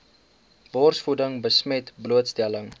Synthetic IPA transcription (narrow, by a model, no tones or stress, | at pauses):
bɔrsfudəŋbəsmɛtbluətstɛləŋ